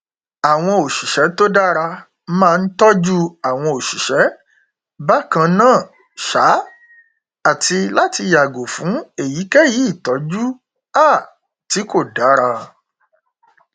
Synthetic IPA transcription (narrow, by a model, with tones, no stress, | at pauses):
a˨w̃ɔ̃˧o˨ʃi˨ʃɛ˨˦to˦da˦ɾa˧ | mãː˦˧n̩˦tɔ˦d͡ʒu˦a˨w̃ɔ̃˧o˨ʃi˨ʃɛ˨˦ | ba˦kã˧nãː˦˨ | ʃa˨˦ | a˦˨ti˧la˦ti˧ja˨ɡo˨fũ˨˦e˦˨ji˨˦kɛ˦ji˨˦˨tɔ˨˦d͡ʒu˦ | a˦˨ | ti˨˦ko˦˨da˨˦ɾa˧